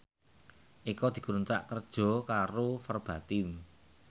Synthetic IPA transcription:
ʔikɔd̪̥i̤kuɾunt̪ɾa̰ʔkərd̥ʒ̥ɔ̤kaɾofərb̥a̤t̪im

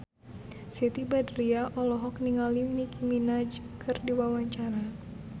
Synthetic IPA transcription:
sit̪ibadɾiaʔɔlɔɦɔk̚niŋalimnikʰiminad͡ʒkʰɨrdiwawaɲt͡ʃaɾa

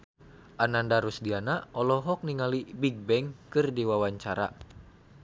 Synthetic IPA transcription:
ʔanandaɾusdianaɔlɔɦɔk̚niŋalibiɡ̚bɛŋkɨrdiwawaɲt͡ʃaɾa̰

